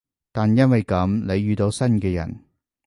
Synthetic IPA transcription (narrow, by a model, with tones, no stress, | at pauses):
t̪aː˨njɐ˥nwɐ˨jkɐ˨˥mle˨˧jːyː˨˧t̪o˧wsɐ˥nkɛː˧jɐ̰˨˩n